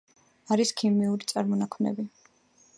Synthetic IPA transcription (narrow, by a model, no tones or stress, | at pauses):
aɾiskʰimiuɾit̪sʼaɾmɔnakʰmnɛ̰bi